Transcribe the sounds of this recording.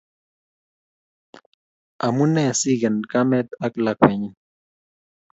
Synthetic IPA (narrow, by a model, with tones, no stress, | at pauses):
a˨mu˦nɛ˦˨si˦ɡɛ˨nka˦mɛ˦t̪̚a˦kla˨kwɛ˨ɲi˦n